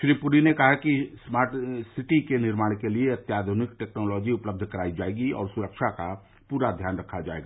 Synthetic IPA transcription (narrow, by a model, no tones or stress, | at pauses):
ʃɾiːpuɾinekɐɦakismaːɾʈsɪʈikenɪɾmaːɽ̃kelieɐt̪jaːd̪ʱʊnɪkʈeːknɔːlɔːd͡ʒiʊpləb̚d̪ʱkəɾaːid͡ʒaːeɡiɔ̰ːɾsʊɾəkʃʰaka | puːɾad̪ʱjaːnɾəkʰːad͡ʒa̰ːeːɡaː